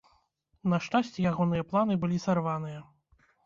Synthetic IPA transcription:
nɐʂt͡ʂasʲt͡sʲɛjaɣɔnɨjɐplˠanɨbɨlʲisarvanɨjɐ

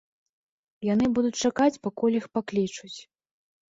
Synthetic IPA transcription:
janɨbud̪ut͡sʲt͡ʂakat͡sʲpakɔlʲixpaklʲit͡ʂut͡sʲ

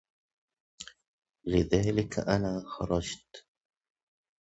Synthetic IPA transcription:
lɪðaːlɪkʔanaːxɑ̰ɾˤɑd͡ʒt̪

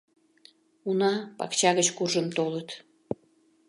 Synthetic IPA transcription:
unɑpɑ̰kt͡ɕɑɣət͡ɕkuʒəmt̪olət̪

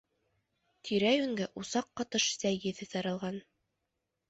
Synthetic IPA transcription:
t̪ʰiɾæjʉŋɡæʔusɑqːɑt̪ɤʃsæjjɘ̆ðɘ̆θɑɾɑlˠʁɑn

